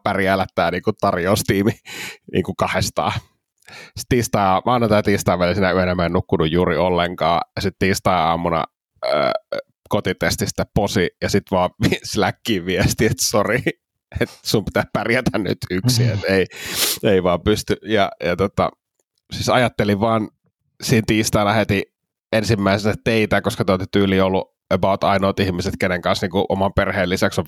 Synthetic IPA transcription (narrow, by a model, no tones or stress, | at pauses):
pærjælæt̪ːæːniːŋkut̪ɑrjoːst̪iːminʔḭːŋkukɑhest̪ɑ̰ː | si̥t̪iːst̪ɑˑiɑːmɑːnɑt̪ɑt̪iːst̪ɑˑʋælisinæyenæmenukːunujjuːriolːeŋkɑːjɑsit̪t̪iːst̪ɑiɑ̰ːmunɑ̰ | ə̰ː | kot̪it̪est̪isi̥t̪ːepposijɑsit̪ʋɑːʋislækːiːʋiest̪iet̪sori | et̪sumpi̥t̪æpærjæt̪ænny̰t̪yksiet̪eieiʋɑːmpyst̪yjɑjɑt̪ot̪ɑ̰ | siːsɑjɑt̪ːeliʋʋɑːn | siːnt̪iːst̪ɑilɑhet̪i | ensimːæisesæt̪eit̪æːkoskɑt̪olt̪it̪yːliːolːu | øbɑut̪ɑinoːt̪ihmiset̪keneŋkɑnsniːŋkuʔo̰mɑmperheːlisæksoʋ